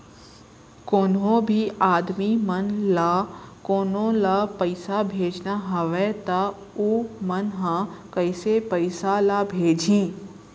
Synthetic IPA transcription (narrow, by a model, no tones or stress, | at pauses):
koːnɦõbʱiaːd̪mimɐnlakoːnõlapɐɪsabʱeːd͡ʒnaɦɐʋɛt̪a | uːmɐnɦãkɐɪsepəɪsalabʱeːd͡ʒʱĩː